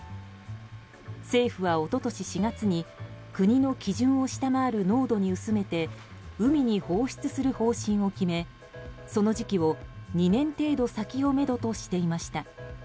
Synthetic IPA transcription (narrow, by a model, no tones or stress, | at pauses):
se̞ːɸɯ̟βao̞t̪o̞t̪o̞ɕiɕiɡat͡sɨɲ̟ikɯ̟ɲ̟ino̞kʲiʑɨ̃ɰ̃o̞ɕi̥t̪amaːɾɯ̟no̞ːd̪o̞ɲ̟iɯ̟sɨme̞t̪e̞ɯ̟mʲiɲ̟iho̞ːɕi̥t͡sɨsɨɾɯ̟ho̞ːɕĩɰ̃o̞kʲime̞ | so̞no̞ʑikʲiβo̞ɲ̟inẽ̞nt̪e̞ːd̪o̞sakʲio̞me̞d̪o̞t̪o̞ɕi̥t̪e̞imaɕi̥t̪a